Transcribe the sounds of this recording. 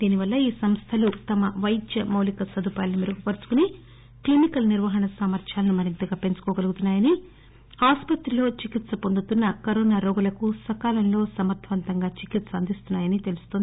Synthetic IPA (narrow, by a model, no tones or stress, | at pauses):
d̪iːniʋɐlːɐiːsɐmst̪ʰɐlut̪ɐmɐʋɐjd̪jɐmɐwlikɐsɐd̪upaːlɐnumiɾuɡupɐɾut͡ʃu̥kuni | klimikɐlniɾʋɐɦɐɳɐsamɐɾt͡ʃaːlɐnumɐɾint̪ɐɡaːpe̞nt͡ʃu̥kɔːɡɐluɡut̪unːaːjɐni | aːspɐt̪ɾilo̞ːt͡ʃikit̪sɐpo̞nd̪ut̪unːɐkɐɾoːnaːɾɔːɡulɐkusɐkaːlɐmlo̞ːsɐmɐɾt̪ʰɐʋɐnt̪ɐŋɡaːt͡ʃikit̪sɐɐnd̪ist̪unːaːjɐnit̪e̞lust̪o̞ːnd̪i